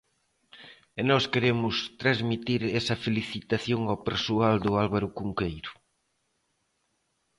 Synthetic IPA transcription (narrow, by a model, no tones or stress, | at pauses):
enɔskeɾemʊst̪ɾazmit̪iɾesɐfeliθit̪aθjoŋawpeɾsuald̪ʊalβaɾʊkuŋkejɾʊ